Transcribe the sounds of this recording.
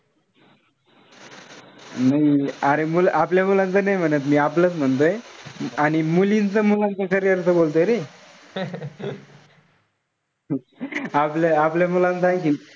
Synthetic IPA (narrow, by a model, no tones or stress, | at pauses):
naiəɾemulʔapljamulãnt͡sənəjm̤ənət̪̬miːaplət͡sm̤ənt̪̬oeaɽ̃imulint͡səmulant͡səkʰəɾijəɾt͡səbolt̪oeɾe | apljaapljamulãnt͡sajek̬i